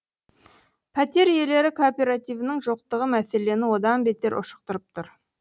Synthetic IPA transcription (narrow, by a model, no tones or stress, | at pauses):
pʰæt̪e̞ɾje̞le̞ɾɪkʰopʲe̞ɾat̪ijvənɪŋʒo̞q̚t̪əʁəmæse̞le̞nɪwo̞d̪ɑnbe̞t̪e̞ɾʔʊ̰ʃə̥q̚t̪əɾəp̚t̪ʰʊɾ